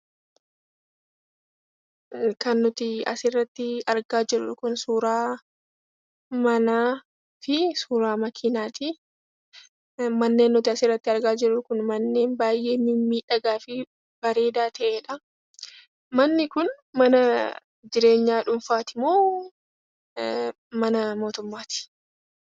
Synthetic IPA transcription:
kɐnːʊt̪ɪɐ̰sɪrːɐt̪ːɪɐɾɡaːd͡ʒɪɾ̰kʊnsuːɾaː | mɐnaː | fɪsuːɾaːmɐkʰinaːt̪ɪ | mɐnːeːnːʊt̪ɪɐsɪrːɐt̪ːɪɐɾɡaːd͡ʒɪɾʊkʊnmɐnːe̞ːnbaːjʔe̞ːmɪmːiːᶑɐɡaːfɪ | b̥ɐɾe̞ːd̪aːt̪ʰɐʔeːᶑɐ | mɐnːɪkʊn | mɐnɐ | d͡ʒɪɾe̞ːɲːaːᶑʊɱfaːt̪ɪmoː | mɐnɐmo̞ːt̪ʊmːaːt̪ɪ̥

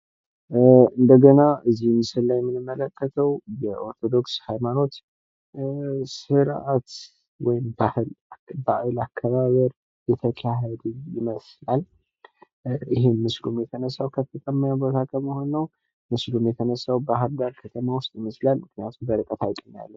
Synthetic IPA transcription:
ɨnd̪əɡənaʔɨzːimɨsɨlːajɛmːɨnɨmːələkʰːət̪ʰəwjɛʔo̞ɾt̪ʰo̞d̪o̞kshajmano̞t̪ | sɨɾʔat̪ | wɔjɪmbahɨlbajlakʰːəβaβəɾ | jɛt̪ʰəkʰaɦəd̪ɨjɪməslal | ɪɦenmɨslumjɛt̪ʰənəsːawkʰət̪ʰək̪ʼəmːajabət̪ʰakʰəmɨhonːəw | mɨslumjɛt̪ʰənəsːawbəɦad̪aɾkʰət̪ʰəmawʊst̪ʼjɪməslalmɨknijat̪ʰumbəɾɨkʼət̪ʰajkʼəna̰lːəw

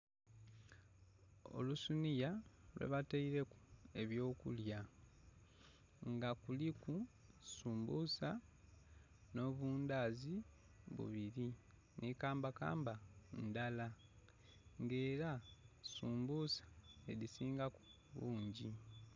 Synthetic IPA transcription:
o̞̰lusunijalwḛβataiɾe̞ku̥e̞βjo̞ːkulja | ŋɡakulikusuːmbusa | no̞βuːndaːzi | βṵβiɾi | nikaːmbaka̰ːmbandala | ŋɡe̞ːɾasuːmbusḁelisiːŋɡaku̥ | βuːɲɟi

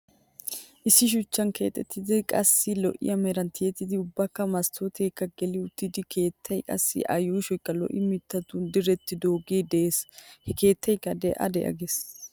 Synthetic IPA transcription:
ʔɪsːɪʃ̬ʊt͡ʃːɐnke̞ːt̪ʼːɛt̪ːɪd̪ɪkʼɐsːɪlɔ̰ʔɪ̰jɐmɛɾɐnt̪ʰɪjɛt̪ːɪd̪ɪʊbːɐkːɐmɐst̪ʰoːt̪ʰeːkːɐɡɛlɪʊt̪ːɪd̪ɪkʰe̞ːt̪ʰːɐjkʼɐ̰sːɪ̰ʔɐ̰jɔɪʃɔjkːɐlɔ̰ʔɪmɪt̪ːɐt̪ʊd̪ɪɾɛt̪ːɪd̪o̞ːɡeːd̪ɛeːshɛke̞ːt̪ʰːɐjkːɐd̪ɛʔɐ̰d̪ɛ̰ʔɐ̰ɡes

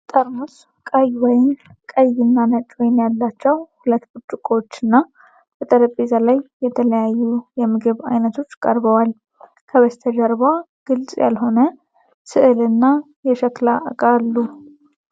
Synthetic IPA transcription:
t̪ʼəɾmus | kʼajwɔjɪmkʼəjɪnːanət͡ʃʼwɔjɪnjalːat͡ʃːɛwhulət̪ːbut͡ʃʼːukʼot͡ʃːɨnːa | b̥ət̪ʼəɾəpʼezalajːɛt̪ʰələjajːujɛmːɨɡɨβa̰jnət̪ʰo̞t͡ʃːkʼəɾbəwal | kʰəβəst̪ʰəd͡ʒəɾβa | ɡ̥ɨlt͡sʼja̰lɦo̞nə | sɨʔɨlɨnːa | jɛʃəklaʔkʼalːu

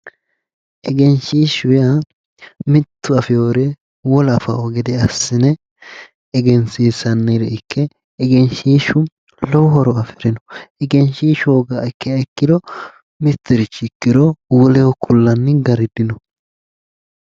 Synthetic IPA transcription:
ʔɛɡɛnʃiːʃʊja | mɪt̪ːʊɐfɪjoːɾe | wɔlɐfɐ̰ɔɡɛd̪ɛɐsːɪnɛː | ɡɛnsiːsɐnːɪɾɛɪkʰːɛː | ɡɛnʃiːʃʊ | lɔwɦɔɾɔɐfɪɾɪnɔ̥ɛɡɛnʃiːʃoːɡaɛkːɪaɪkːɪd̪ɔ | mɪt̪ːɪɾɪt͡ʃːɪkːɪd̪ɔwʊlɛwɔkʰʊlːɐnːɪɡɐɾɪd̪ɪnɔ

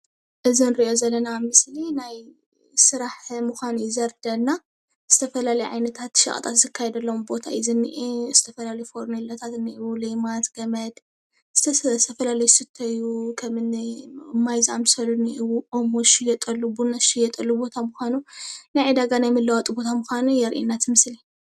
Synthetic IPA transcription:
ʔɨzinɨɾiʔo̞zɐlːɐnamɨslinaj | sɨɾaħmuxʷanujɪzɐɾd̪ɐnːa | z̥ɨt̪ʰɐfɐlalɐjʕa̰jnɐt̪ʰat̪ʃɐ̰χʼɐt̪ʼat̪zɨkʰːajɛd̪ɐlːɐmbo̞t̪ʰajɪzɨnːḭʔiz̥ɨt̪ʰɐfɐlalɐjufoɾnɐlɐt̪ʰat̪ɨnːiʔiwulejmat̪ɡ̥ɐmɐd̪ | z̥t̪ʰst̪ʰɐfɐlalɐjusɨt̪ʰːɐjukʰɐmɨnmːajzɨʔamsɐluniʔiwuʔomoʃijɛt̪ʼɐlːubunɐʃijɛt̪ʼɐlːubo̞t̪ʰamʊxʷanunajʕid̪aɡanajmɨlːɐwat̪ʼɨbo̞t̪ʰamʊxʷanujɛɾʔḭnːat̪ʰmɨsli

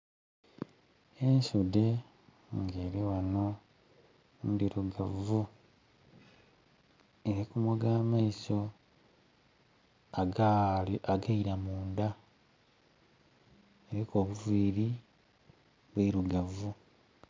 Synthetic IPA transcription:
e̞ɲʃude̞ | ŋɡe̞ːɾiwano̞ | ndiɾuɡavu | eɾikumoɡaːmaiso̞ | a | aɡaiɾamuːnd̪a | eɾikoːβuviːɾi | βwiɾuɡavu

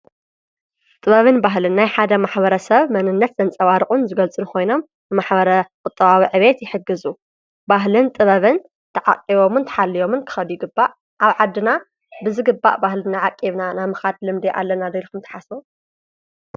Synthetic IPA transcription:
t̪ʼɨβɐβɨnbaɦlɨnːajħad̪ɐmaħbɐɾɐsɐβmɐnɨnːɐt̪z̥ɐnt͡sʼɐβaɾɨkʼunzɨɡɐlt͡sʼɨnukʰo̞jno̞m | nɨmaħbɐɾɐkʼʊt̪ʼːɐβawiʕɨβe̞t̪jɪħɨɡɨzu | baɦlɨnt̪ʼɨβɐβɨn | t̪ʰɐʕa̰kʼːiβo̞mɨnt̪ʰɐ̥ħalːijo̞mɨnkʰɨ̥xɐβjiɡɨbːaʔ | ʔaβʕad̪ːɨna | bɨzɨɡɨbːa̰ʔbahlɨnaʕakʼiβnanamɨxad̪lɨmd̪eʔa̰lːɐnad̪elkʰumt̪ʰɐ̥ħasbo

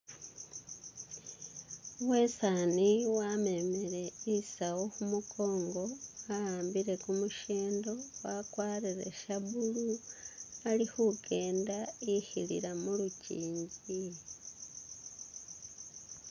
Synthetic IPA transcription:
we̞saniwame̞meɾe̞isawohumukʰo̞ːŋɡo̞ajaːmbiɾe̞kumuʃeːndo̞wakwaːɾiɾe̞̰ʃaβulu | alihuɡe̞ːndaihilḭɾamuluciːɲɟi

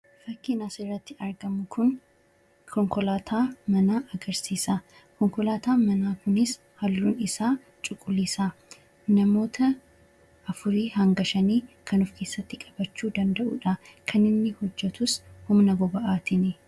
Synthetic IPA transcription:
fɐkːɪnɐsɪrːɐt̪ːɪɐɾɡɐmʊkʰʊn | kʰɔŋkɔlaːt̪ʰaːmɐnaːʔɐɡɐɾsiːsa | kɔŋkɔlaːt̪aːmɐnaːkʊnɪs | hɐlːuːnɪsaː | t͡ʃʼʊkʼːʊliːsaː | nɐmo̞ːt̪ʰɐ | ʔɐfʊɾiːhɐŋɡɐʃɐniːkʰɐnʊfke̞ːsːɐt̪ːɪkʼɐ̥b̥ɐt͡ʃːuːd̪ɐnd̪ɐʔṵːᶑɐkʰɐnɪnːɪhɔd͡ʒːɛt̪ʊshʊmnɐɡɔbɐʔaːt̪ɪnɪ

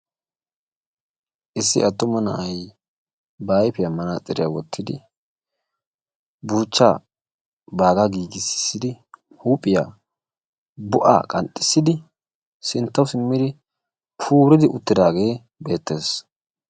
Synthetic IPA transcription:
ʔɪsːɪ̰ʔɐt̪ːʊmɐnɐ̰ʔɐj | baːjpɪjɐmːɐnat͡sʼɪɾɪja̰wɔt̪ʰːɪd̪ɪ | buːt͡ʃːaː | baːɡaɡiːɡɪsɪ̥sːɪd̪ɪ | huːpʼːɪja̰ː | bʊʔa̰ːkʼɐnt̪ʼːɪ̥sːɪd̪ɪ | sɪnt̪ːɐwsɪmːɪd̪ɪ | pʰuːɾɪd̪ɪʔʊt̪ːɪd̪aːɡe̞ː | be̞ːt̪ːe̞ːs

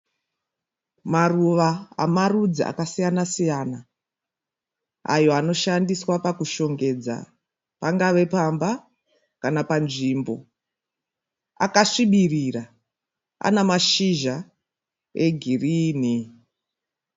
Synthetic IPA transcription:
maruʋaa̰marud͡zia̰kasijanasijana | a̰jo̞ano̞ʃandiswapakuʃo̞ŋɡe̞d͡za̰ | paŋɡaʋe̞pamba | kanapanʐiːmbo̞ | a̰kaʂiɓirira | a̰namaʃiʒa | eɡʱiriːni

